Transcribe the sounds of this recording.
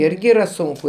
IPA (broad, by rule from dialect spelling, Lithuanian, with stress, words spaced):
ˈɪrʲɡʲɪ iːˈrɐ ˈsʊŋkʊ